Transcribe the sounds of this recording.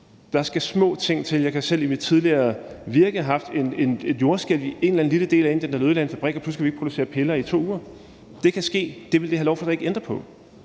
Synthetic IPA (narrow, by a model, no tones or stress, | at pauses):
d̥ɑ̈sɡ̥æsmɔ̰̽ːt͡sʰe̝ŋ̰t͡sʰe̝ljɑ̈ɪkʰæsel̰imid̥̚t͡sʰiðˠliɐː | ʋiɐɡ̥əɦɑ̈fd̥e̝ne̝ne̝d̥jo̝ɐsɡ̥el̰ʋie̝nlæn̩liləd̥e̝̰ːlæe̝nd̥endælðˠlænəfæb̥ʁɛɡ̥ɐpluskʰæʋie̥pʰʁo̝ɾuse̝̰ːɐpʰe̝lɐːit͡sʰo̝̰ːuːɐ | d̥e̝kʰæsɡ̥e̝̰ːd̥e̝ʋe̝ld̥e̝ɦælɒʊfɒ̽d̥ɑ̈e̝ɡ̥end̥ʁɐpʰɒ̽